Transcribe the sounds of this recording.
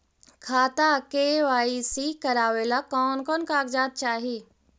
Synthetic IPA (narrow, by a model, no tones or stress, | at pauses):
kʰaːt̪akeːʋaːisikɐɾaːʋelakɔːnkɔːnkaːɡd͡ʒaːt̪̚t͡ʃaːɦiː